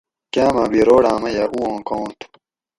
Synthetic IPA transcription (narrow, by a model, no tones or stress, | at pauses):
kaːmãːbiɾoːɽãːmɐjaʔuːõːkõːt̪u̥